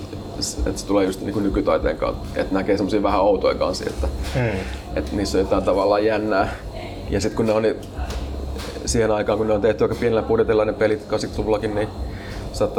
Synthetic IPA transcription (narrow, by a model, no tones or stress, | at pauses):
sḛt̪se̥t̪uleːjust̪niːŋkunnykyt̪ɑit̪ḛːŋkɑ̰nt̪ḛt̪nækeːsemːosiːʋæhæɑut̪oiŋkɑ̰nsiḛt̪ːæ | ḛt̪niːsːojot̪ɑˑint̪ɑʋɑlːˑɑːjjænːæː | jɑsit̪kunneoni | siːhenɑikɑːŋkunneont̪eht̪yɑikːɑpienelːæpuret̪ilːɑnepelit̪kɑsik̪sulːɑkinni | sɑːˑt̪ːɑ